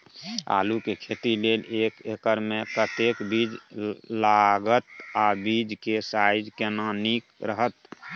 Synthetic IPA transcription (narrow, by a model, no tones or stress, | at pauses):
a̰ːlukekʰet̪ileːleːkekəɾmẽkət̪ekbid͡ʒlaɡət̪̚abid͡ʒkesajd͡ʒkenanikɾəɦət̪